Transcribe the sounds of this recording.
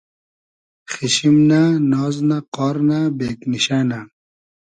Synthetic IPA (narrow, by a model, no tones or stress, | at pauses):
xiɕimnanɔːznaqɔːɾnabeːkniɕaːna